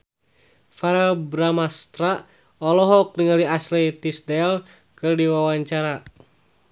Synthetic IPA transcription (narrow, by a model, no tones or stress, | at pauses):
faɾabɾamast̪ɾa | ɔlɔɦɔk̚niŋaliaslɛt̪isdɛl | kɨrdiwawaɲt͡ʃaɾa